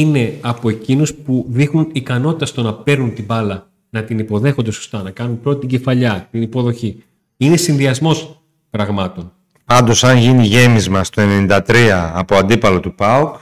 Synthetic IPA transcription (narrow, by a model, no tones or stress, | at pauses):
ine̞ɐpo̞e̞cinuspuðixnunikɐno̞t̪i̥t̪ɐst̪onɐpe̞ɾnunt̪ibɐlɐ | nɐt̪inipo̞ðe̞xond̪e̞so̞̥st̪ɐnɐkɐnunpɾo̞t̪it̪iɲɟe̞fɐʎɐt̪inipo̞ðo̞çi | ine̞sinðiɐzmo̞s | pɾɐɣmɐt̪o̞n | pɐnd̪o̞sɐnʝiniʝe̞mizmɐst̪o̞e̞nenind̪ɐt̪ɾiɐːpo̞ɐnd̪ipɐlo̞t̪upɐuk